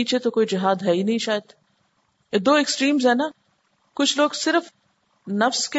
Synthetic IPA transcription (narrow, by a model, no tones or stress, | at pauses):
iːt͡ʃet̪okoːid͡ʒɪɦaːd̪ɦɛːinɐɦĩʃaːjəd̪ | ed̪oːɛksʈɾiːmzɦɛːnaː | kʊt͡ʃʰloːɡsɪɾəf | nɐfske